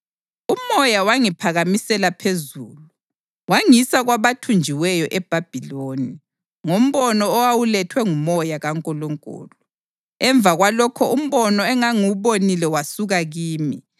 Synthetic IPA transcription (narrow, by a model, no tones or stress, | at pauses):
umɔjawaŋipʰaɣamisɛlapʰezuːlu | waŋisaɣwaβatʰund͡ʒʱiwɛjɔʔɛb̥ʱab̥ʱiloni | ŋom̩βɔnɔːwawulɛtʰwɛŋumɔjaɣaŋkʼɔlɔŋkʼṵːlɔ | ɛɱb̪vʱaɣwalɔkʰɔʔum̩βɔnɔɛŋaŋuβonilɛwasuɣaɣiːmi